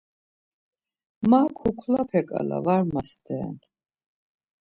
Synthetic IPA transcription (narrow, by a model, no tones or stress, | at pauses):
makʰukʰlapʰɛkʼa̰la̰vaɾmasd̪ɛ̰ːn